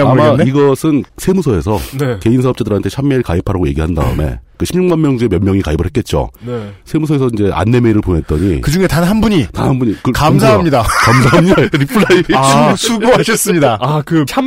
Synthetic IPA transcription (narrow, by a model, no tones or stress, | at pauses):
amaiɡʌsʰɯnsʰe̞musʰʌe̞sʰʌ̰neke̞insʰaʌp̚t͡ɕ͈adɯɾɦantʰe̞t͡ɕʰamːeiɭkaipʰaɾaɡoje̞ɡiɦanda̰ɯ̰me̞̰kɯɕʰimɲuŋmanmjʌŋd͡ʑue̞mjʌnmjʌŋikaibɯɭɦet̚k͈e̞t̚t͡ɕ͈o̰nesʰe̞mus̬ʰʌe̞sʰʌind͡ʑe̞ʔa̰nːe̞me̞iɾɯɭpone̞t͈̚ʌɲikɯd͡ʑuŋe̞tanɦanbuɲita̰nhanbuɲikɯkamsʰaɦamɲidakamsʰaɦamɲidaɾipʰɯɭːaiasʰuɡoɦaɕʰʌs͈ɯmɲidaakɯt͡ɕʰa